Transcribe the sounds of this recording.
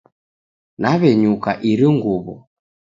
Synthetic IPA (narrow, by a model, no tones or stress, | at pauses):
naβɛɲukaʔiɾiŋɡuβɔ̰